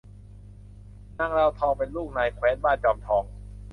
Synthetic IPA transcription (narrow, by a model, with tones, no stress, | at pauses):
na˧˩˨ŋɾa˧wt̪ʰɔː˧ŋpe˧nluː˥˩k̚naː˧˩jkʰwɛː˦˥n̚baː˥˩nt͡ɕɔː˧˩mt̪ʰɔː˨˧ŋ